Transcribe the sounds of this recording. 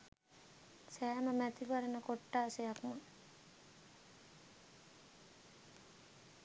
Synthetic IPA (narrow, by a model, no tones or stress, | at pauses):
sæːməmæt̪iʋaɾenəkoʈːaːsejakmə